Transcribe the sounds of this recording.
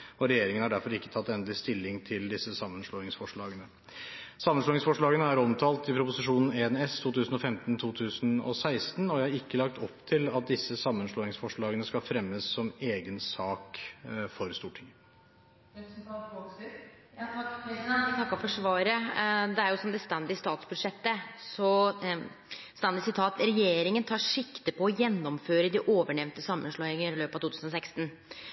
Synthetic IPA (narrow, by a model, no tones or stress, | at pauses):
ɔɾɛjeːɾɪŋənhɑɖæɾfɔɾɪkːə̥t̪ʰɑt̪ːɛnd̪lɪst̪ɪlːɪŋt̪ʰɪld̪ɪsːəsɑmːənʂɭoːɪŋsfɔʂɭɑːɡənə | sɑmːənsloːɪŋsfɔʂɭɑːɡənəæɾɔmt̪ʰɑːlt̪ɪpʰɾʊpʊsɪʂuːnn̩eɛnɛst̪ʰuːt̪ʰʉːsən̩ɔfɛmt̪nt̪ʰuːt̪ʰʉːsənɔ̰sæɪst̪nɔjæɪhɑɾɪkːəlɑk̚t̪ʰɔpːt̪ʰɪlɑt̪̚d̪ɪsːəsɑmːənʂɭoːɪŋsfɔʂɭɑːɡənəskɑlfɾɛmːəsːɔmeːɡənsɑːkfɔɾst̪uːʈʰɪŋə | ɛsmkɑlt̪oks | t̪ʰɑkːɑfɔʂʋɑːɾəd̪ɛæɾjʊsɔmd̪ɛst̪ɑnd̪ɪst̪ɑːt̪sbʉd̪ʂɛt̪ːəsɔ | st̪ɑnd̪ɪsɪt̪ʰɑːt̪ɾɛjeːɾɪŋənt̪ʰɑːʂɪkt̪əpʰɔːjɛnːɔmføːɾəd̪ɪʔoːʋəɳɛʋnt̪əsɑmːənʂɭoːɛŋəɾɪløːpɑt̪uːt̪ʉːsnɔsɛkst̪n̩